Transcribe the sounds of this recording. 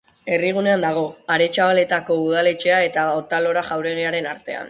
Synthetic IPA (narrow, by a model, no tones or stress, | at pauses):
e̞riɣ̞une̞and̪aɣ̞o̞aɾe̞t͡ʃaβale̞t̪ako̞uð̞ale̞t͡ʃe̞ae̞t̪aot̪alo̞ɾaʝawɾe̞ɣ̞iaɾe̞naɾt̪e̞a̰n